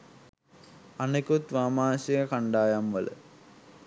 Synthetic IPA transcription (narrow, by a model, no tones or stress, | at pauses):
anekut̪ʋaːmaːnsijəkaɳɖaːjamʋə̰lə̰